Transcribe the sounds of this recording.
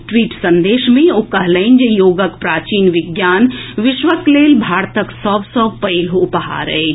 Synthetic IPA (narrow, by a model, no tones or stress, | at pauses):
ʈʋiːʈsə̃nd̪eːʃmẽoːkəɦləɪnd͡ʒejoːɡəkpɾaːt͡ʃiːnʋɪɡjaːnʋɪʃʋəkleːlbʱaːɾt̪əksɔːbsɔːbpəilɦopəɦa̰ːɾə̰